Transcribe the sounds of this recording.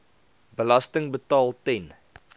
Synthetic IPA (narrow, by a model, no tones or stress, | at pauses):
bəlɐstəŋbətɑːlˠtɛn